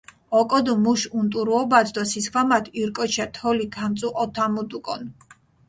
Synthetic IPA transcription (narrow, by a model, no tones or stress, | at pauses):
ɔkʼɔd̪umuʃunt̪ʼuɾuɔbad̪ɔsiskʰwamat̪ʰiɾkʼɔt͡ʃʰat̪ʰɔlikʰamt̪sʼuʔɔt̪ʰamud̪ukʼɔ̰n